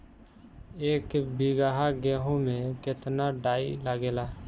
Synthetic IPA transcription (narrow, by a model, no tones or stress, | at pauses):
eːkbiɡaːɦaɡɛːɦõmẽkɪt̪naɖaːilaɡeːlaː